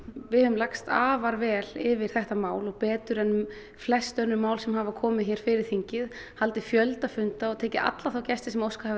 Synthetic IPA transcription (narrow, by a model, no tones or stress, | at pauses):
vɪhʏðʏmlakst̪aːvaɾvɛːlɪvɪɾ̥θɛht̪amaːwlɔɣpɛːt̪ʏɾɛn | flɛst̪œnːʏmaːwlsɛmɦaːvakʰɔːmɪðçɛɾ̥fɪɾɪɾ̥θiɲcɪð | halt̪ɪfjœlt̪afʏnt̪aɔt̪ʰɛːcɪa̰t̪laθawcɛst̪ɪsɛmowskahav